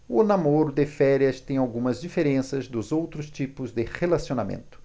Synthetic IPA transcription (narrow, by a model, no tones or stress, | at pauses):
ʊnamoɾʊd̪ɪfɛɾiɐst̪ẽj̃awɡũmɐzd͡ʒifeɾẽsɐzd̪ʊzowt̪ɾʊst͡ʃipʊzd̪ɪʁelasionamḛ̃nt̪ʊ̥